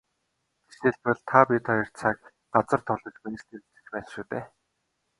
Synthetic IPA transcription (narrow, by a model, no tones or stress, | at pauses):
ɡ̪e̥ʃeːɮpə̆ɮt̪ʰapʲit̪ʰɔjɞ̆r̥t͡sʰaːk̚ | ɢat͡sə̆rt̪ʰʊɮɞ̆t͡ɕpin̆st̪irɘt͡sɘ̥̆t͡ɕpæːsʃuːt̪eː